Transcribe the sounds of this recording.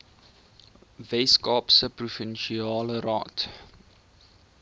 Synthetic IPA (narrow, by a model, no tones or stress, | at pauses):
veskɑːpsəprufinʃiɑːləɾɑ̰ːt